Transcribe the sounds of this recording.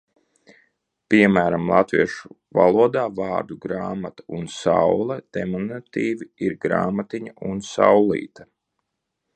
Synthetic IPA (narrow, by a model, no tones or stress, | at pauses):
piɛmæːɾamlˠa̰t̪vḭɛʃu̥ | valˠuɔd̪aːvaːɾd̪uɡɾaːmat̪ḁunsa̰wlˠɛd̪̥emanat̪iːviiɾɡɾa̰ːmat̪iɲaunsa̰wlˠḭːt̪a